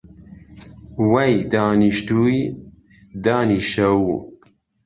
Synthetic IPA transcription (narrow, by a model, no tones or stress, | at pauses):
wɐjd̪aːniʃt̪uj | d̪aːniʃɐwu